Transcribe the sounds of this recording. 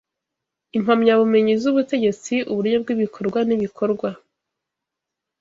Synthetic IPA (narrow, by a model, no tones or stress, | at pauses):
imhamɲaβume̞ɲizuβute̞ɟe̞t͡siʔuβuɾɲob̚ɡiβikʰo̞ɾɡwaniβikʰo̞ɾɡwa